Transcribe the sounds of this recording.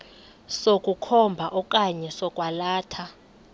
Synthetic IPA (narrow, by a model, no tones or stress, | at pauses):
sokʼukʰɔmbʱaʔɔkʼaɲɛsɔkʼwalaːtʰa